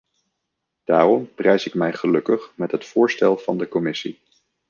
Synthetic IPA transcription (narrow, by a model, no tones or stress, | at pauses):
d̥aːrɔmprɛjsɪkmɛjχəlɵkəχmɛtɦətfʊːɹstɛlˠv̥ɑndəkɔmɪsi